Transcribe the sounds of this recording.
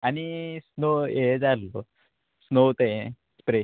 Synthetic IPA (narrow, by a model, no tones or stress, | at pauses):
ɐnisnoːeːd͡ʒalːu | snoːt̪e | spɾe